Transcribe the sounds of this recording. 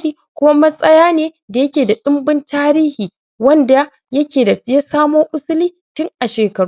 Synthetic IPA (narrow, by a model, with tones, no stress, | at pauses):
iː˦ | kʷʊ˦ma˦mɐ˦sʼɐ˦jaː˦neː˦ | da˨jɐ˦kʲeː˨da˨ɗʊ˦mbɪ˦ntʰaː˦ɾiː˦hiː˨ | wɐ˦nda˨ | jɐ˦kʲeː˨da˨ja˦saː˦moː˦ʔʊ˦sʊ˦liː˦ | tʊ˦ŋʔa˨ʃeː˨kɐ˨ɽ